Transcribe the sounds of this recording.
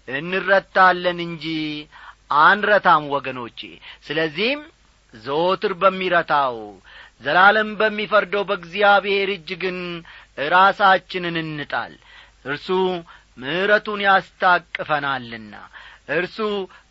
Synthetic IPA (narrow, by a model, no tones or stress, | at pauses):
ʔɨnːɨrːət̪ːalːənɨɲd͡ʒi | ʔand̪ɾət̪ʰamwɔɡəno̞t͡ʃːḛsɨləzːihm | zəot̪ɨɾbəmːiɾət̪ʰaw | zəlaləmbəmːifəɾd̪əwbəɡzijaβe̞ɾɨd͡ʒːɡɨnɾasat͡ʃːɪnɨnɨnːɨt̪ʼa̰l | ʔɨɾsu | mɨhɨɾət̪unjast̪ʰakʼːɨfənalːɨnːa̰ʔɨɾsu